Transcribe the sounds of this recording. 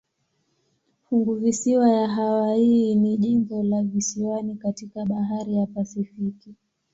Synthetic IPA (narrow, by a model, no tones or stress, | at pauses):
fuŋɡuvisiwajaɦawainiʄimbɔlavisiwanikatikaɓaɦaɾijapasifiki